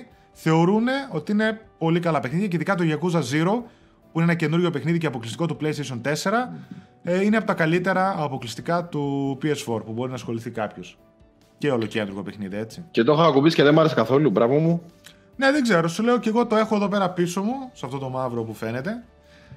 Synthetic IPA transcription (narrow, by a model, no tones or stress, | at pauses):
θe̞o̞ɾune̞o̞t̪iine̞po̞likɐlɐpexniðiɐceiðikɐt̪̬oʝɐkuzɐziɾo̞ | puineenɐce̞nuɾʝo̞pe̞xniðiceɐpo̞klist̪i̥ko̞t̪uple̞jst̪eis̬o̞nt̪e̞se̞ɾɐ | ineɐpot̪ɐkɐlit̪e̞ɾɐːpo̞klist̪ikɐt̪upiesfo̞ɾpubo̞ɾinɐsxo̞liθikɐpço̞s | ceolocend̪ɾɣo̞pexniðie̞t͡sicet̪o̞xɐɐkupisi̥ceðemɐɾesikɐθo̞lubɾɐvomu | ne̞ðeɡze̞ɾo̞sule̞oce̞ɣot̪oe̞xo̞eðo̞p̬e̞ɾɐpiso̞musɐft̪o̞t̪o̞mɐvɾo̞pufe̞ne̞t̪e̞